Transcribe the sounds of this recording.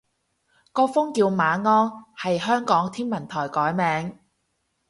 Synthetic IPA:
kɔː˧fʊ˥ŋkiː˧wmaː˨˧ŋɔː˥ŋhɐ˨jɦœː˥ŋkɔː˨˥ŋt̪ʰiː˥nmɐ˨˩nt̪ʰɔː˨˩jkɔː˨˥jmɛː˨˧ŋ

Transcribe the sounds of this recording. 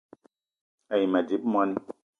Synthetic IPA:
a˨jma˨di˨˦p̚mwa˦ni˦

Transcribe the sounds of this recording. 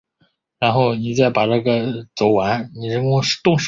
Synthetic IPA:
ɻa˧˥nxo˥˩ʊni˨˩t͡sa˥˩ɪpa˨˩ʈ͡ʂa˥˩ɡə˩t͡so˨˩ʊwa˧˥nni˨˩ɻə˧˥kʊ˥ʂt̪ʊ˥˧ŋʂ

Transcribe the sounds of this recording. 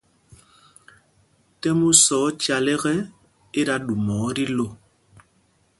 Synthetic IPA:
tɛ˦mu˦sɔ˨˦t͡ʃa˨lɛ˦ɣɛ˦ | e˦ɾa˦ɗu˨mɔː˨˦ɾi˦lo˦˨

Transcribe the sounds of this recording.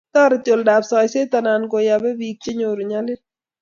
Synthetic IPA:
t̪ɔ˦ɾt͡ʃo˨lda˨psɔ˨jse˦t̪a˨na˨nko˨ja˨bɛ˦wi˨k̚t͡ʃe˦ɲo˨ɾu˨ɲa˦lɪ˦

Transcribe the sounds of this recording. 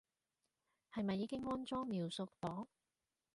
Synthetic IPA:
hɐ˨jmɐ˨jːiː˨˧kɪ˥ŋːɔː˥nt͡sɔː˥ŋmiː˨wsʊ˧k̚t̪ɔː˨˥ŋ

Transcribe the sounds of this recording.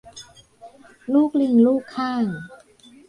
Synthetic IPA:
luː˥˩k̚li˧˩ŋluː˥˩kʰːaː˥˩ŋ

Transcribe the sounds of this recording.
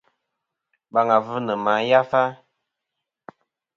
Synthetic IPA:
ɓa˨ŋa˨və˦nə˨ma˨˦ja˦fa˦

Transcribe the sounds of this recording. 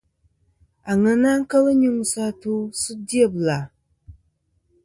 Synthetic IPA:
a˨ŋɨ˨na˦ŋ˦ka˦lɨ˦ɲu˦ŋu˦sa˦tu˦su˦di˦ɛ˨bla˨

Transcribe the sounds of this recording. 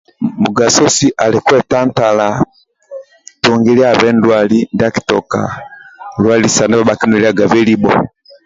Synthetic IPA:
mu˨ɡa˨sɔ˦si˦ʔa˨li˨kwɛ˦ta˦nta˨la | tuŋɡi˦li˦aβɛ˦ndwalinda˦ki̥tɔ̰˨ka̰˨ | lwa˦li˨sa˨ndɛ˦βa˨ba˨ki˦nui˨li˦a˦ɡa˨βɛ˦li˦bɔ̰˨

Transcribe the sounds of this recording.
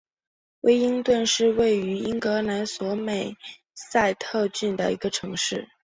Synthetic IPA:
we˥ɪi˥ŋt̪wə˥˧nʂɻ̩˥˧we˥˩ɪy˧˥i˥ŋkɤ˧˥na˧˥nswɔ˧˥me˨˩ɪ | sa˥˧ɪt̪ʰɤ˥˧t͡ɕy˥˩nd̪ə̰˩ḭ˧˥ɡə˧ʈ͡ʂʰɤ˧˥ŋʂɻ̩˥˩

